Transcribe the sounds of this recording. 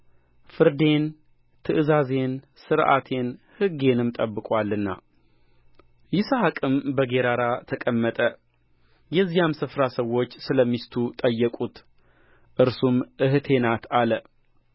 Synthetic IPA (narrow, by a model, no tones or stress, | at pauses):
fɨɾd̪e̞n | t̪ʰɨʔɨzaze̞n | sɨɾʔa̰t̪ʰe̞nhɨɡe̞nɨmt̪ʼəbːɨkʼwalːɨnːa̰ | jɪsahakʼɨmbəɡe̞ɾaɾat̪ʰəkʼəmːət̪ʼə | jɛzːijamsɨfɾasəwo̞t͡ʃːsɨləmːist̪ʰut̪ʼəjːəkʼut̪ | ʔɨɾsumʔɨhɨt̪ʰe̞nat̪ʰalə